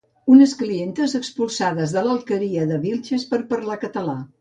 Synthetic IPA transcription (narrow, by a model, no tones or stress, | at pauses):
unəsklient̪əzəkspulˠsaðəzðələlˠkəɾiəðəβilʲˠʒəspəɾpəɾlakət̪əla